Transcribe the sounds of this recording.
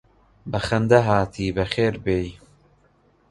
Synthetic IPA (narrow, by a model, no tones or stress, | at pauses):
bɐxɐnd̪ɐɦaːt̪ʰiːbɐxeːɾbeːji